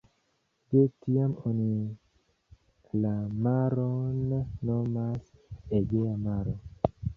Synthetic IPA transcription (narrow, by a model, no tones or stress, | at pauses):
detiamoni | lamaɾonːomaseɡeamaɾo